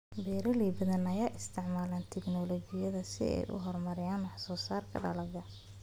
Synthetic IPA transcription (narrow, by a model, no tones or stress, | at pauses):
bɛːɾɐliːbɐðɐnɐjaːʔɪst̪ʰɪʕmaːlaːnt̪ʰɛɡnɔlɔɡɪjɐðɐsɪ̰ɛ̰jʔʊ̰ɦɔrmɐɾɪjaːnwɑħsɔːsaːrkʰɐ̰ɖɐ̰lɐɣɐ